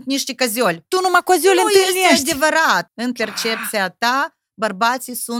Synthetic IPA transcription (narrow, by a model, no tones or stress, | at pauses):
t̪nʲiʃt̪ʲikazʲolʲt̪unumakazʲolʲd̪ʲevɐɾat̪̚ɨnpert͡ʃep̚t̪sijat̪a | bɐrbasisu